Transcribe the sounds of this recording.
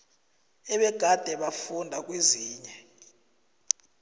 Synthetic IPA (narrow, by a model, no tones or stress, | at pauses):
ɛɓɛɡ̥ʱad̥ʱɛɓafundʱak̬ʼweziːɲɛ